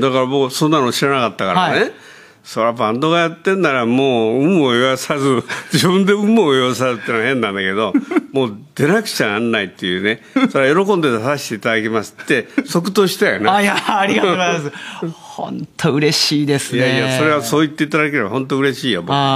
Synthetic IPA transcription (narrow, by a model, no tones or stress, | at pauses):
d̪akaɾamo̞ːsõnːanoːɕiɾanakat̪ːaka̰ɾne | soɾabãnd̪o̞ɣajat̪ːẽ̞nːaɾamoːɯ̟mojoβasazɨd͡ʑibɯ̟̃nd̪e̞ɯ̟̃mːoːjoβas̬azɨt̪ːenahẽ̞nːãnd̪ake̞d̪o̞moːd̪̥e̞nakɯ̟̥t͡ɕaanːait̪ːe̞jɯ̟ne̞ | soɾeajo̞ɾo̞kond̪e̞t̪asaɕi̥t̪e̞it̪ad̪akʲemasɨ̥t̪ːe̞so̞kɯ̟̥t̪oːɕi̥t̪ajo̰naːɾʲiɡashõ̰nt̪ʰoɯ̟ɾe̞ɕiːd̪esɨjaiaso̞ɾe̞βaso̞ːit̪ːe̞it̪ad̪ake̞ɾe̞ba̰hõ̞nt̪̬oɯ̟ɾe̞ɕiːjobok